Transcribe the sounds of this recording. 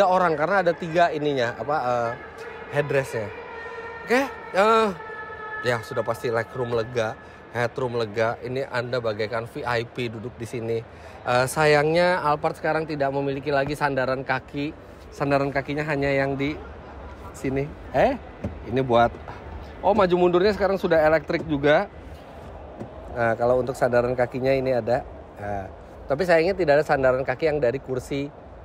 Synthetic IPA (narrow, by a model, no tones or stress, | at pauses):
aoɾaŋkaɾənaːdat̪iɡainiɲaa̰paəː | hɛdɾɛsɲa | keə | ijasudahpast̪ilɛkɾʊmləɡa | hɛt̪ɾʊmləɡaʔiniʔandabaɡajkanfiʔajpidudʊk̚disini | ʔəːsajaŋɲaalpart̪sə̥kaɾaŋt̪idaʔməmilikilaɡisandaɾankaki | sandaɾankakiɲaɦaɲajaŋdi | sini | ɛ | inibuat̪̚ | ʔɔhmad͡ʒumundʊrɲas̬əkaɾaŋsudaɦelɛk̚t̪ɾɪk̚d͡ʒuɡa | əkalaunt̪ʊk̚sandaɾankakiɲainiada | a | t̪ap̬is̬ajaŋɲat̪̬idaʔadasandaɾankakijaŋdaɾikursi